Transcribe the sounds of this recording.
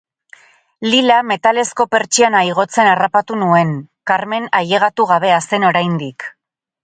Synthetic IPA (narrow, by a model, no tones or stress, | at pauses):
lilame̞t̪ale̞sko̞pe̞ɾt͡ʃianajɣ̞o̞t͡se̞narapat̪unue̞nkaɾme̞naje̞ɣat̪uɣ̞aβe̞ase̞no̞ɾajnd̪ik